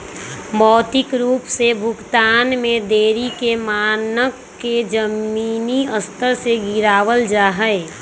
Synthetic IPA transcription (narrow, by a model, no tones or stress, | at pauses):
mɔːt̪ɪkɾuːpsebʱʊɡt̪aːnmẽd̪eːɾikemaːnəkː | ed͡ʒəmiːniəst̪əɾseɡɪɾaːwəld͡ʒaːɦəɪ